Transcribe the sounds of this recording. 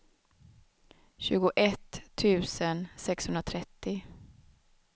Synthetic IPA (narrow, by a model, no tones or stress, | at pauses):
ɕʉ̟ːɡʊʔɛt̪ʰːʉ̟ːsənsɛkshɵnɾat̪ʰɾɛt̪ːɪ